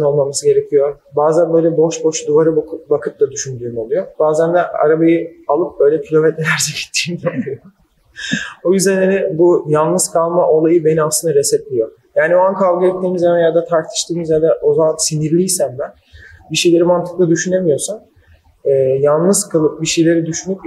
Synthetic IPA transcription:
no̞lˠmamasɯɟe̞ɾecʰijo̞baːzænbø̞jlʲɛbo̞ʃbo̞ʃd̪uvaɾɯbkɯbakʰɯt̪lˠad̪yʃynd̪yːmo̞lˠujob̥aːzænd̪ɛʔa̰ɾabajialˠɯp̚bø̞jlʲɛcʰilʲo̞mɛt̪lelæɾsɛɟi̥t̪ʰːi̥ːmd̪olˠujo | ojyzd̪ænanɛbujalˠnɯz̥kʰalˠmaʔo̞lˠajɯbe̞niasɯnd̪aɾɛsɛt̪lʲijo̞ | jaːnioankʰalˠɡaɛt̪ːʲiːmizɛmɛjad̪at̪ʰaɾt̪ʰɯ̥ʃt̪ʰɯːmizad̪ɛʔozamansiniɾlʲijsæmbæn | biʃe̞jlʲe̞ɾimant̪ʰɯ̥klˠad̪yʃynemijo̞san | ɛːjalˠnɯzkʰɯlˠɯp̚biʃe̞jlʲe̞ɾid̪yʃynyp

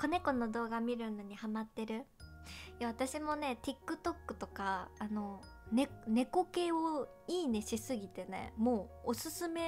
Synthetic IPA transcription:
kane̞ko̞no̞d̪o̞ːɡamʲiɾɯ̟no̞ɲ̟ihamat̪ːe̞ɾɯ̟ | jaβat̪aɕimo̞ne̞t̪ʲikːɯ̟t̪o̞kːɯ̟̥t̪o̞kaːno̞ | ne̞ne̞ko̞ke̞o | iːne̞ɕisɨɡʲit̪e̞ne̞̰mo̞ːosɨsɨme̞

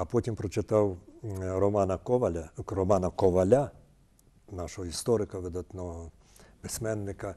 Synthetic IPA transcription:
ɐpɔtʲimpɾɔt͡ʃɪt̪ɑwɾɔmɑnɐkɔʋɐlʲɐɾɔmɑnɐkɔʋɐlʲa | nɑʃɔɦɔist̪ɔɾɪkɐʋɪd̪at̪nɔɦɔ | bɪsʲmɛnːɪkɐ

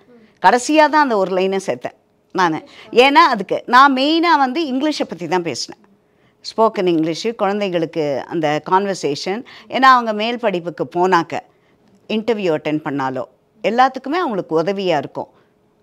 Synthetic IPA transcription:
kɐɽɐsɪjaːt̪ãːɐnd̪ɐɔɾɯlɐɪnɐsɛɾt̪ːɛ̰̃ː | naːnɛeːnːaːɐðɯkːɯnãːmɛjnaːʋɐnd̪ɯɪŋɡlɪʂɛpːɐt̪ːit̪ãːpḛːsɐɳɛ̰̃ː | spoːkɐnɪŋɡɭɪʂkʊɻɐnd̪ɐɪɣɐɭɯkːɯɐ̰nd̪ɐkaːnʋɐɾseːʂɐnʔḛːnːaːɐʋɐŋɡɐmeːlpɐɽɪpːɯkːɯpoːnaːkɐ̰ | ɪɳʈɐɾʋjuːɐʈːɛnpɐɳːaːlo̰ː | ɛlːaːt̪ːɯkːɯmeːɐʋɐŋɡɐɭɯkːɯʊðɐʋɪjaːɪɾɯkːõ̰ː

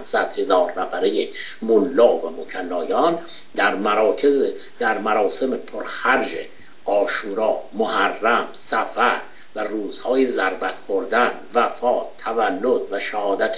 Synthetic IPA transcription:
sæd̪̥he̞zɒːɾːæfæɾeje | molːɒːvæmocʰælːɒːjɒːn | d̪æɾmæɾɒːcʰez | d̪æɾmæɾɒːse̞mepʰoɾxæɾd͡ʒḛ | ʔɒːʃuːɾɒːmohærːæmsæfæɾ | væruːz̥hɒːjezæɾbæt̪ʰboɾd̪ænvæfɒːt̪ʰːævælːod̪væʃæhɒːd̪æt̪ʰ

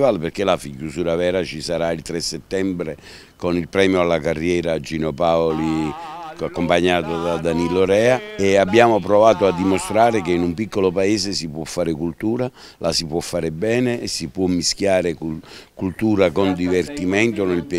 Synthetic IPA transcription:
valperk̟elafikjusuːɾavɛːɾat͡ʃisaɾailt̪ɾesːet̪ːɛmbɾe | konilpɾɛːmjoalːakarːjɛːɾad͡ʒinopaoli | akːompaɲːaːt̪od̪ad̪aniloɾɛːaeabːjaːmopɾɔvaːt̪oad̪ːimost̪ɾaːɾekeinumpikːolopaɛːzesipwɔfːaːɾɪkult̪uːɾa | lasipwɔfːaːɾɪbɛːneʔːsːipwɔmːiskjaːɾɪkukult̪uːɾakond̪ivert̪imɛnt̪onelp

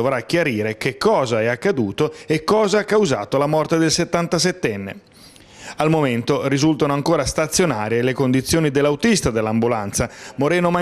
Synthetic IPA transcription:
ovɾak̟ːjaɾiːɾekekːɔːzaɛakːad̪uːt̪oekːɔːzaakːawzaːt̪olamɔrt̪ed̪elset̪ːant̪asɛt̪ːɛnːḛ | almoment̪orizult̪anoaŋkoːɾast̪at̪sːjonaːɾjelekond̪it̪sːjoːnid̪elːawt̪ist̪ad̪elːambulant̪samoɾɛːnoma

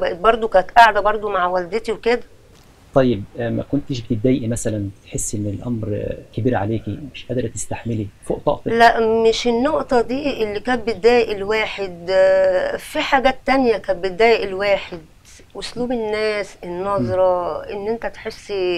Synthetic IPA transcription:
bæʔet̪̚bɑɾˤd̪ˤokæt̪ʔaʕad̪æbɑɾˤd̪ˤomaʕwæld̪et̪iwked̪æ | t̪ˤːɑjːeb̚mæ̰kont̪eʃbet̪ed̪ːæːjʔimæsælænbet̪ħesːʔenːelʔæmɾkæbiːɾʕa̰leːkimɪʃʔæd̪ɪɾt̪e̥st̪aħmelifoʔt̪ˤɑ̰ʔt̪læʔmeʃenːoʔt̪ɑd̪iːʔelːikæːt̪̚bed̪ːæːjeʔelwæːħed̪ | fiħaɡæːt̪ːænjækæːbet̪̚d̪ːæːjeʔelwæːħed̪ | ʔosluːbenːæːsenːɑzˤɾˤɑʔenːʔent̪æt̪ħesː

